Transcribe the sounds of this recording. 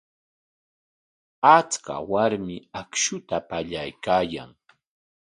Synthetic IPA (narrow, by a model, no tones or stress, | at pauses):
at͡ska̰waɾmɪakʃʊt̪apaʎajkaːja̰ŋ